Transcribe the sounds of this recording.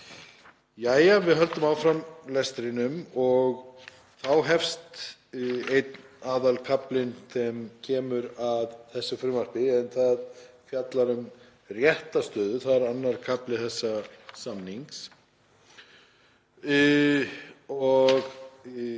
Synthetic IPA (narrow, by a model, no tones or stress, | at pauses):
jaːjavɪðɦœlt̪ʏmawfɾamlɛst̪ɾɪnʏmɔɣ | θawɦɛfst̪ | ejt̪naːðalkʰaplɪnsɛmcʰɛːmʏɾaðθɛsːʏfɾʏmar̥pɪɛnθað | fjat̪laɾʏm | rjɛht̪ast̪œːðʏθaðɪɾanːaɾ̥kʰaplɪθɛsːasamniŋks | ɔɣ